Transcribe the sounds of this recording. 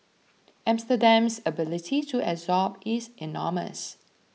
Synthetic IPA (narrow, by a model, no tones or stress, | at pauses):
ʔãmstədãmsəbɪlɪtʰitʰuʔɛzɔpɪzɛnɔ̰mə̰s